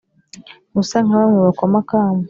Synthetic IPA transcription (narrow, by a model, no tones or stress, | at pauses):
musaŋaβamŋweβakomakaːme